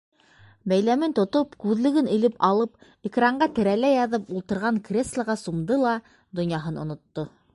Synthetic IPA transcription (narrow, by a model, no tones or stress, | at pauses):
bæjlæmɘnt̪ŏt̪opkʉðlɘ̆ɡɘnɘ̆lɘpɑlˠɤp | ikraɴɢɑt̪ɘ̆ɾælæjɑðɤpulˠt̪ɤ̆ɾʁɑŋkrʲeslˠəʁɑsumd̪ɤlˠɑ | d̪ŏnjɑɦɤnŏ̰nŏt̪ːo